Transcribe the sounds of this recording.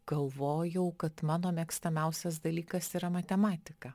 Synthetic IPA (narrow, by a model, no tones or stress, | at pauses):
ɡ̥ɐlˠʋoːjɛʊkɐt̪mɑːnoːmʲɛkst̪ɐmʲæʊsʲɛs̬d̪ɐlʲiːkɐsiːɾɐmɐt̪ʲɛmɑːt̪ʲɪkɐ